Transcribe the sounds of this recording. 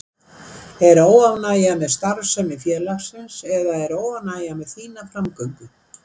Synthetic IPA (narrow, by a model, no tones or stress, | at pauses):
ɛɾoːwavnaːjamɛðst̪aɾsɛmɪðfjɛːlaxsɪnsɛðaɛɾoːwavnaːjamɛðθiːnafɾamkœɥpʏ